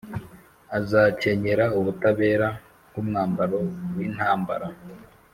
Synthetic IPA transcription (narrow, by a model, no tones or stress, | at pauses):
azaːce̞ɲeɾauβutaβe̞ːɾa | ɡumŋaːmbaɾo̞wiːn̥haːmba̰ɾa